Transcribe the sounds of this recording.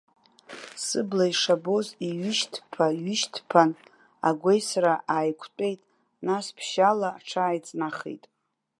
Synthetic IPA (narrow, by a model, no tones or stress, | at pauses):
sɨblaiʂabo̞ziɥʏʃtʰpʰaɥʏʃtʰpʰan | a̰ɡʷejsɾaʔaːjkʷʰtʼe̞jtʼ | naspʰʃalaːʈ͡ʂʰaːjt͡sʼnaχḛjtʼ